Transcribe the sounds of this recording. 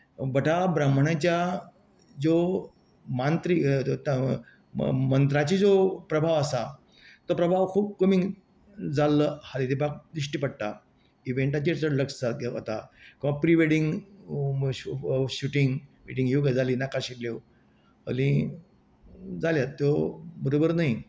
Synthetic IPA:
bəʈʰabɾəm̤əɳat͡ɕja | d͡zo | mant̪ɾit̪ | mənt̪ɾat͡ɕid͡zopɾəbʱaʋəsa | t̪əpɾəbʱaʋkʰuːp̚kəmĩŋ | d͡zalːəhad̪id̪ebak̚d̪ɾiʂʈipəɽt̪a | iʋeɳʈat͡ɕiʈt͡sələksd͡zaɡʱaa̰t̪akĩʋapɾiʋeɽiŋɡ | uɕuʈiŋɡmiʈĩŋɡjoɡd͡zʱaliːnakaɕikleʋ | ə̰lĩ | d͡zaljat̪jobʱəɾobəɾnaɦi

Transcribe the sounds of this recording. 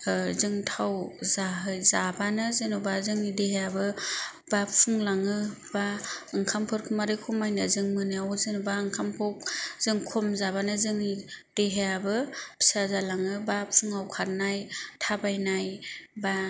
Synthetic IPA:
zɯŋtʰawzaɦɯjzabanɯzɯnɔbazɯŋnideɦejabɯ | b̥apʰuŋlaŋɯ | baɯŋkʰampʰɯɾkʰɯmaɾɯkʰumajnɯzɯŋmɯnɯawzɯnbaɯŋkʰampʰɔk̚zɯŋkʰɔmzabanɯzɯŋnid̥eɦejabɯpʰi̥sazalaŋɯbapʰuŋawkʰaɾnajtʰabajnajba

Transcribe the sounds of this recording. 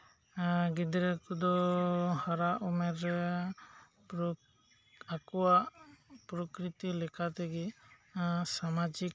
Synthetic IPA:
ɡid̪ɾɛkud̪ɔhaɾaʔɔmɛɾɛ | akɔwaʔpɾɔkɾit̪ilɛkat̪ɛɡɛ | samad͡ʒik̚

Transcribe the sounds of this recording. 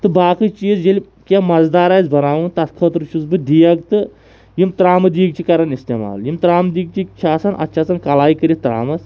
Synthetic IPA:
t̪ɨbaːkɨt͡ʃiːzd͡ʒelʲi | kʲemɐzd̪aːɾaːjzbɐnaːʋɨnt̪ɐt̪kʰət̪ɾɨt͡ʃʰuzbɨd̪ijɐɡt̪ɨ | jimt̪ɾaːmɨd̪iːɡ̚t͡ʃʰikɐɾɐnist̪ema̰ːljimt̪ɾaːmd̪iːɡ̚t͡ʃʰit͡ʃʰaːsɐnʔɐ̰t̪ːt͡ʃʰaːsɐnkɐlaːjikəɾʲit̪ɾa̰ːmɐs

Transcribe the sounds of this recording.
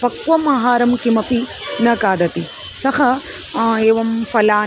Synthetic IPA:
fɐkʋɐmaːɦaːɾɐmkimɐpi | nɐkaːd̪ɐt̪i | sɐhɐ | eːʋɐmfɐlaː

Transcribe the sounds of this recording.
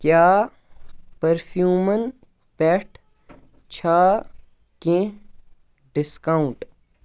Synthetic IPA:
kjaː | pɐɾpʰjuːmən | pɛʈʰ | t͡ɕʰaː | kẽ | ɖɪskaːũɳʈ

